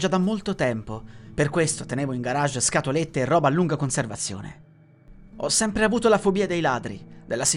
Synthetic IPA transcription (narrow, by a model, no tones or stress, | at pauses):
d͡ʒad̪amːolt̪ot̪ɛmpoperkwest̪ot̪eneːvoiŋɡaɾaʒːskat̪olet̪ːeːrːɔːbalːuŋɡakonservat̪sːjo̰ːnḛ | ɔsːɛmpɾeavuːt̪olafobiːad̪ejlaːd̪ɾḭd̪elːasi